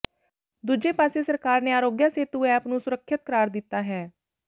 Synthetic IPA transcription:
d̪uːd͡ʒeːpaːseːsəɾkaːɾneːaːɾoːɡjaːseːt̪uːɛːəpnũːsʊɾəkʰːɪt̪̚kəɾaːɾd̪ɪt̪ːaːɦɛː

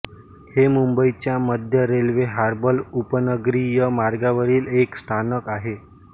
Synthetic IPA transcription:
hemumbəit͡ɕjaməd̪ʱjəɾelʋeɦaɾbəlupənəɡɾiːjəmaɾɡaʋəɾiːlekst̪ʰanəkaɦe

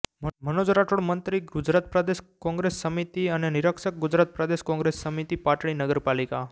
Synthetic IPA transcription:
mənod͡ʒɾaʈoɽmənt̪ɾiɡud͡ʒɾat̪̚pɾəd̪eʃkɔ̃ŋɡɾesːəmit̪iəneniɾəkʃək̚ɡud͡ʒɾat̪̚pɾəd̪eʃkɔ̃ŋɡɾesːəmit̪ipaʈɭ̃inəɡəɾpalika

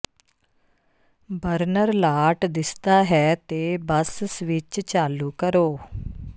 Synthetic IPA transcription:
bəɾnəɾlaːʈd̪ɪst̪aːɦɛːt̪eːbəssʋɪt͡ʃt͡ʃaːluːkəɾoː

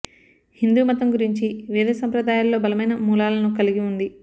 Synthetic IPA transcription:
hind̪uːmɐt̪ɐmɡuɾiɲt͡ʃiʋɛːd̪ɐsɐmpɾɐd̪aːjaːlːo̞ːbɐlɐmɐjnɐmuːlaːlɐnukɐliɡiund̪i

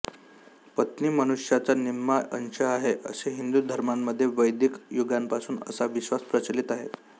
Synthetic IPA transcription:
pət̪niːmənuʂjat͡saniɾmaʔə̰nɕəaɦeʔə̰seɦind̪ud̪ʱəɾmamːəd̪ʱːjeʋəjd̪ikjuɡampasuːnə̰saʋiɕʋaspɾət͡ɕəlit̪aɦḛ

